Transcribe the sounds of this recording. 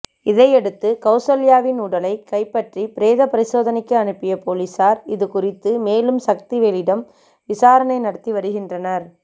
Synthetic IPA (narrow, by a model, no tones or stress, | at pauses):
ɪðɐɪɛɽɯt̪ːɯkɐʊsolɪjaːʋɪnuːɽɐlɐɪkɐɪpːɐʈripɪɾeːðɐpɐɾɪsoːðɐnɪkːɯɐnɯpːɪjɐpoːliːsaːɾɪðɯkʊrɪt̪ːɯmeːlɯmsɐk̚t̪iʋeːlɪɽɐm | ʋɪsaːɾɐnɐɪnɐɽɐt̪ːiʋɐɾɯɣɪndrɐnɐɾ